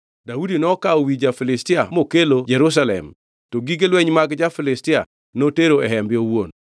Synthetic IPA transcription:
daudinɔkaowid͡ʒafɪlɪstɪamokelod͡ʒɛɾus̬alɛ̰m | toɡiɡelwɛɲmaɡd͡ʒafɪlɪstɪa | noteɾoɛɦɛmbɪowon

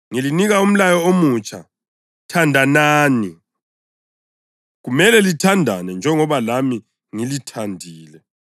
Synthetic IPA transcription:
ŋiliniɣaum̩lajɔomut͡ʃʰʼa̰ | tʰandʱanaːni | ɣumɛlɛlitʰandʱa̰nɛnd͡ʒʱɛŋɔβalami | ŋilitʰandʱiːlɛ

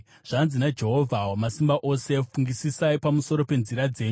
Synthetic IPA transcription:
ʐ̥anzinad͡ʒe̞ɦo̞vʱawamasimbaʔo̞se̞fuŋɡisisaipamuso̞ɾo̞pe̞nziɾad͡ze̞ːɲu

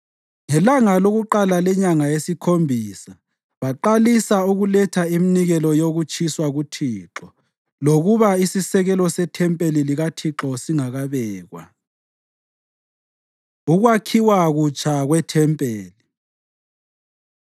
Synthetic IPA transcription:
ŋɛlaŋaloɣuǃalalɛɲaŋajesikʰombʱiːsa | βaǃalisauɣulɛtʰaiminiɣɛlɔjoɣut͡ʃʰʼiswaɣutʰiːǁɔ | loɣuβaisisɛɣɛlɔsɛtʰɛmpʼeliliɣatʰiǁɔsiŋaɣaβɛːɣwa̰ | uɣwakʰiwaɣut͡ʃʰʼaɣwɛtʰɛmpʼeːli

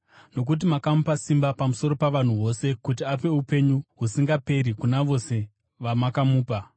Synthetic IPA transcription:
no̞k̬ut̬imakamupasimbapamuso̞ɾo̞paʋan̤uɦo̞se̞kutiap̬e̞upe̞ɲuɦusiŋɡape̞ɾikunaʋo̞se̞ | ʋamakamuːpa

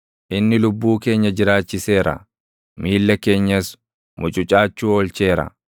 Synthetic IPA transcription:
ʔɪnːɪlʊbːuːke̞ːɲːɐd͡ʒɪɾaːt͡ʃːɪse̞ːɾɐ̰ | miːlːɐke̞ːɲːɐs | mʊt͡ʃʼʊt͡ʃʼaːt͡ʃːuːɔlt͡ʃe̞ːɾɐ̰

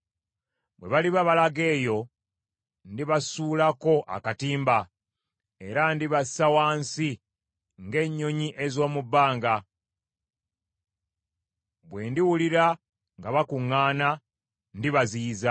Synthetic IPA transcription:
bwe̞̰βaliβaβalaɡe̞ːjo̞ | ndiβasuːlako̞ʔa̰katiːmba | e̞ɾandiβasawaːnsi | ŋɡe̞ːɲːo̞ɲiʔe̞zo̞ːmubːaːŋɡa | bwe̞ːndiwuliɾa | ŋɡaβakuŋːaːna | ndiβaziːza

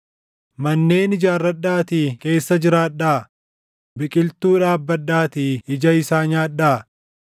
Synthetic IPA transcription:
mɐnːe̞ːnɪd͡ʒaːrːɐɗːaːt̪iːke̞ːsːɐd͡ʒɪɾaːᶑːaː | bɪkʼɪlt̪uːᶑaːbːɐɗːaːt̪iːɪd͡ʒɐɪsaːɲaːᶑaː

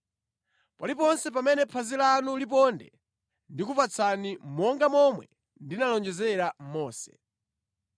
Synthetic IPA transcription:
palip̬ɔnsɛp̬amɛnɛpʰazilanulip̬ɔndɛ | ndikupat͡sʰanimɔŋɡamɔmwɛ | ndinalɔnd͡ʒɛzɛɾam̩mɔːsɛ̥̰

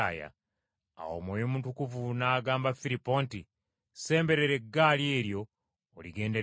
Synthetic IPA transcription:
a̰ja̰ | a̰wo̰ːmwoːjomutukuvunaːɡaːmbafiɾipːo̞ːnti | se̞ːmbe̞ɾe̞ɾe̞ɡːalje̞ːɾjo̞ː | liɡe̞ːnde̞

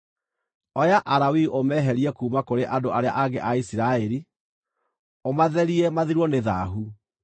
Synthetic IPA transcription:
ɔjaʔaɾawiʔomɛɦɛɾiɛkuːmakoɾeʔadoʔaɾea̰ʔaɡeʔaisiɾaɛɾi | omaðɛɾiɛmaðiɾwɔneða̰ɦu

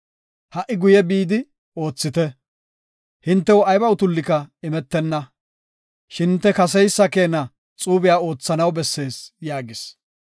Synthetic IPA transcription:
hɐʔɪɡʊjɛbiːd̪ɪ | o̞ːt͡sːɪt̪ɛ | hɪnt̪ːɛwʊɐjbɐwʊt̪ʊlːɪkɐɪmɛt̪ːɛnːɐ | ʃɪnt̪ːɛkɐs̬ɛjsːɐke̞ːnɐ | t͡sʼuːbɪjaːo̞ːt͡sːɐnɐwbɛsːe̞ːsjaːɡɪs

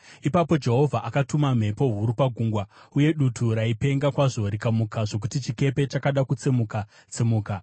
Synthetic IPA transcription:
ipapo̞d͡ʒe̞ɦo̞vʱaʔakatumam̤e̞po̞ɦuɾupaɡʱuŋɡwauje̞ɗutʰuɾaipe̞ŋɡakwaʐo̞ɾikamukaʐo̞k̬utit͡ʃike̞pe̞t͡ʃakaɗakut͡semuka | t͡semuːka

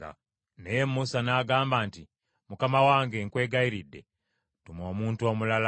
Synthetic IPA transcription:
nejemːusanaːɡaːmbaːnti | mukamawaːŋɡe̞ŋkwe̞ːɡaiɾidːe̞̰ | tumo̞ːmuːntuo̞mulala

